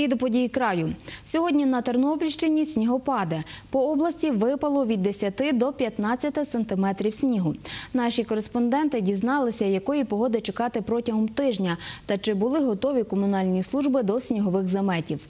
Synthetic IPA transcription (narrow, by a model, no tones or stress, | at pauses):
id̪ʊpɔdʲijikɾɑjʊsʲɔɦɔdʲnʲinɐt̪ɐrnɔbʲilʲʃt͡ʃɪnʲisʲnʲiɦɔpɑd̪ɛpɔɔblˠɐsʲtʲiʋɪpɐlˠɔʋʲid̪ːesʲɐt̪ɪd̪ɔpʲjɐt̪nɑt͡st͡sʲːɐt̪ɪsɐnt̪ɪmɛt̪ɾʲiwsʲnʲiɦʊnɑʃʲikɔɾespɔnd̪ɛnt̪ɪdʲiznɑlˠɪsʲɐjɐkɔjipɔɦɔd̪ɪt͡ʃekɑt̪ɪpɾɔtʲɐɦɔmt̪ɪʒnʲɐt̪ɐt͡ʃɪbʊlˠɪɦɔt̪ɔʋʲikɔmʊnɑlʲnʲislˠuʒbɪd̪ɔsʲnʲiɦɔʋɪxzɐmɛtʲiw